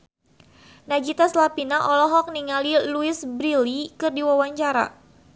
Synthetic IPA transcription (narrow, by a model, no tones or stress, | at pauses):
nad͡ʒit̪aslapinaʔɔlɔɦɔk̚niŋaliluɪsbɾilikɨrdiwawaɲt͡ʃaɾa̰